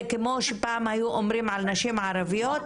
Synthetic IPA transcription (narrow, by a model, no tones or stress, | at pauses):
kemo̞ʃepaamhajuʔomɾimʕalnaʃimʕaɾavijot̪